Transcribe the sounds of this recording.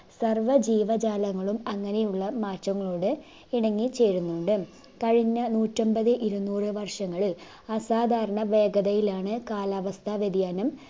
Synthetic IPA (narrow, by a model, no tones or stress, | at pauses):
sɐrʋɐd͡ʑiːʋɐd͡ʑaːlɐŋːɐɭumɐŋːɐne̞juɭːɐmaːtːɐŋːɐɭoːɽɨ | iɽɐŋːit͡ɕe̞ːɻunːuɳɖɨ | kɐɻiɲːɐnuːtːombɐðɨʔiɾunːuːrɨʋɐrʂɐŋːɐɭ | ɐsaːd̪ʱaːɾɐɳɐʋe̞ːɡɐðɐjilaːɳɨkaːlaːʋɐst̪ʰaʋed̪ijaːnɐm